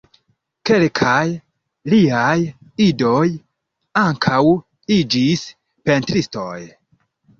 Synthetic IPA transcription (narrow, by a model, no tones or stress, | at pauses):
ke̞lkʰaj | liajido̞j | aŋkʰaw | id͡ʒis | pe̞ntɾisto̞̰j